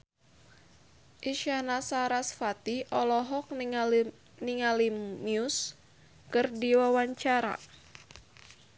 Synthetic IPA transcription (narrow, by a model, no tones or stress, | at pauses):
ʔiʃanasaɾasfat̪iʔɔlɔɦɔk̚ | niŋalimiʊs | kɨrdiwawaɲt͡ʃaɾa̰